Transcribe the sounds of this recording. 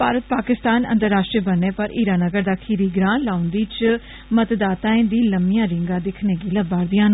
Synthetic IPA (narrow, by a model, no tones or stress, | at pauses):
paːɾət̪̚paːkɪst̪aːnə̰̃nt̪əɾːaːʃʈɾiːbənːeːpəɾiːɾaːnəɡəɾd̪aːkʰiːɾiːɡɾãːnlaːʊnd̪iːt͡ʃ | mət̪d̪aːt̪aːẽːnd̪iːləmɪjãːɾɪŋɡãːd̪ɪkʰneːɡiːləbaːɾd̪ijãːn